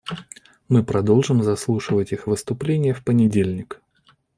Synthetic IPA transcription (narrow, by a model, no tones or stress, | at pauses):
mɨpɾɐd̪o̞lˠʐɨmzɐslˠuʂɨvətʲixvɨst̪ʊplʲenʲɪjəfpənʲɪdʲelʲnʲɪk